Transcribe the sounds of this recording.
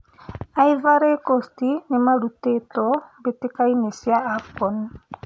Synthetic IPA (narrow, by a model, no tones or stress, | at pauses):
aivaɾekɔstinemalutetɔbetikainesiaapɔn